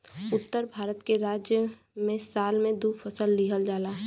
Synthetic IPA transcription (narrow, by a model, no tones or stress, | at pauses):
ʊt̪ːəɾbʱaːɾət̪keɾaːd͡ʒjə | mẽsaːlmẽd̪uːfʰəsəlːiɦəld͡ʒaːlaː